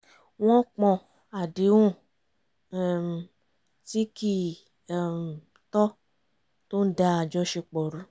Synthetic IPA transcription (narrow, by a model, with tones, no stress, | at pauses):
w̃ɔ̃˦k͡pɔ̃˧ | a˨di˨˦wũ˦˨˧ | ti˦ki˦˨ | tɔ˦ | to˦n̩˦da˧a˨d͡ʒɔ˧ʃe˧k͡pɔ˨ɾũ˨˦